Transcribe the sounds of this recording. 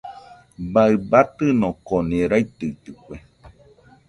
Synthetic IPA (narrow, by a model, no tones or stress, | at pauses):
baɨbat̪ɨnõkonẽɾait̪ɨit̪ɨkʷe